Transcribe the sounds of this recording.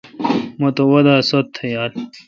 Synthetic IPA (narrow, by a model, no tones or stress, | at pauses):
mot̪owɐd̪aːsot̪ʰːɐjaːl